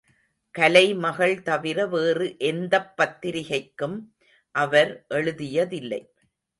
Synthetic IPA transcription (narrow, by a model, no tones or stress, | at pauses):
kɐlɐɪmɐɣɐɭt̪ɐʋɪɾɐʋeːrɯʔɛnd̪ɐpːɐt̪ːɪɾɪɣɐɪkːɯm | ʔɐʋɐɾʔɛɭɯðɪjɐðɪlːɐ̰ɪ